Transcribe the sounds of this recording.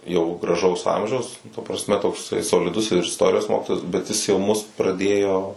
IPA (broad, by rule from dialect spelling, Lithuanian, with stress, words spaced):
jɛʊ ɡrɐˈʒɐʊs ˈɐmʲʒʲɛʊs tɐ prɐsʲˈmʲɛ toːkˈsɐɪ soːlʲɪˈdʊs ɪr ɪsˈtoːrʲɪjoːs ˈmoːkʲɪtoːjɛs bʲɛt ˈjɪs jɛʊ ˈmʊs prɐˈdʲeːjoː